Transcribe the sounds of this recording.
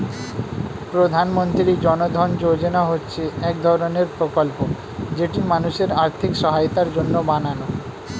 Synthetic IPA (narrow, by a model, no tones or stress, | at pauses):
pɾod̪ʱanmont̪ɾid͡ʑɔnod̪ʱɔnd͡ʑod͡ʑenaɦotːɕʰeɛk̚d̪ʱɔɾoneɾpɾokolpo | d͡ʑeʈimanuʃeɾaɾt̪ʰikʃɔɦajt̪aɾd͡ʑonːobanano